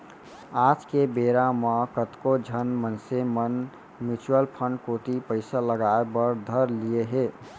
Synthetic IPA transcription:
ad͡ʒkebeɾamə̃kət̪kod͡ʒʱənmənsemən | mit͡ʃuəlpʰəɳɖkoːt̪ipəɪsaləɡaebəɾd̪ʱəɾlijeɦe

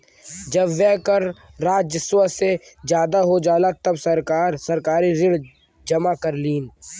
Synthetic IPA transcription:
d͡ʒɐbʋɛɦkɐɾːaːd͡ʒjəswəsed͡ʒjaːd̪aɦod͡ʒaːlat̪ɐbsɐɾkaːɾsɐɾkaːɾiɾɪɽ | d͡ʒɐmakɐɾliːn

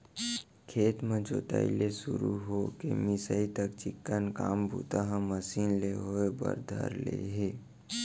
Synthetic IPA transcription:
kʰeːt̪mẽd͡ʒoːt̪a̰ḭlesuɾuɦokḛmɪsəit̪əkt͡ʃɪkːənkaːmbʱṵt̪aɦə̃məsiːnleɦoebə̰ɾd̪ʱə̰ɾlḛɦe

